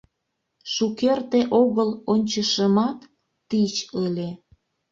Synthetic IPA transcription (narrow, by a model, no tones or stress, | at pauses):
ʃukert̪eʔoɣəlonʲt͡ɕəʃəmɑt̪ː | it͡ɕəlʲe